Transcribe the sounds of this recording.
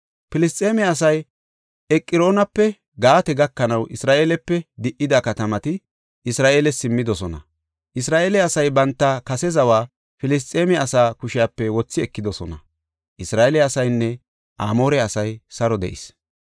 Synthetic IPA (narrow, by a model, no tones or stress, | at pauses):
pɪlɪst̪ʼeːmɛɐs̬ɐj | ɛkʼːɪɾo̞ːnɐpːɛ | ɡaːt̪ɛɡɐkːɐnɐwʔɪsɾaːʔe̞ːlɛpːɛd̪ɪʔːɪd̪ɐkɐt̪ɐmɐt̪ɪ | ʔɪsɾaːʔeːlɛsɪmːɪd̪ɔsɔnɐ̰ | ʔɪsɾaːʔeːlɛɐsɐjbɐnt̪ːɐkɐsɛzɐwaː | fɪlɪs̬t̪ʼeːmɛɐsaːkʊʃɪjapːɛwɔt͡sːɪɛkːɪd̪ɔsɔnɐ̰ | ʔɪsɾaːʔelɛɐsɐjnːɛ | ʔa̰ːmo̞ːɾɛɐsɐjsɐɾɔd̪ɛ̰ʔɪ̰s